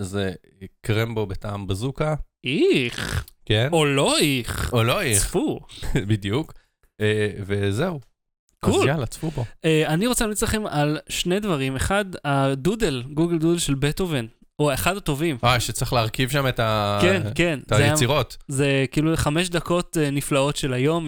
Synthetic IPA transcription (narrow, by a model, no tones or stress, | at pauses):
ze | kʁembobeta̰ːmbezuka | iχkenolo̞iχoloifubid̪juk | evezeu | kʰulalat͡sfuboeaniʁo̞t͡selamlit͡slaχe̞malʃnedvaʁimeχad̪adudelɡuɡeld̪udelʃe̞lbetoven | oeχadato̞vimajʃet͡sʁiχleaʁkivʃametakenke̞nazajeasiʁo̞tzekiːluχameʃd̪ako̞teniflao̞tʃe̞lajo̞m